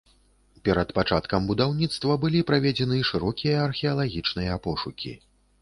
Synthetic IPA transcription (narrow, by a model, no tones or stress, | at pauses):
pʲɛɾɐt̪pat͡ʂat̪kɐmbud̪awnʲit̪st̪vɐbɨlʲipɾavʲɛd͡zʲɛnɨʂɨɾɔkʲijɐːrxʲɛɐlˠaɣʲit͡ʂnɨjɐpɔʂukʲḭ